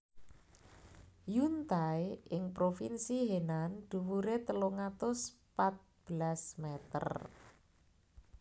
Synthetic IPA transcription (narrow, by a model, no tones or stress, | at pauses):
junt̪ajʔɪŋpɾofinsiɦenand̪̥ṳwuɾet̪əloŋat̪ʊspat̪̚b̥lasmɛt̪ə̰r